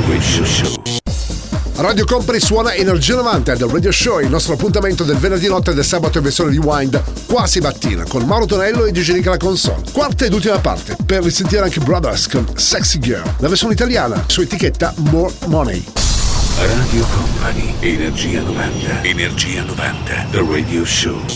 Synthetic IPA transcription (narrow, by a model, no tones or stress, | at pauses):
weʃʃo | raːd̪jokɔmpaniswɔːnaenerd͡ʒiːanovant̪ead̪alrad̪joʃɔilnɔst̪ɾoapːunt̪ament̪od̪elvenerd̪inɔt̪ːed̪elsaːbat̪oeversjoned̪iwajnd̪ | kwazibat̪ːḭːna̰konmawɾot̪onɛlːoed̪id͡ʒenik̬alakonsɔ̰nkwart̪aed̪ult̪̬imapa̰rt̪eperːisent̪iɾeaŋkebɾad̪ərskonsɛksiɡɛ̰llaversjoneit̪aljaːna̰suːaet̪iket̪ːamɔr | mɔnḛj | rad̪jokɔmpʰanienerd͡ʒiːa̰nova̰nt̪ʰeenerd͡ʒiːanova̰nt̪ʰḛd̪red̪ioʃo̰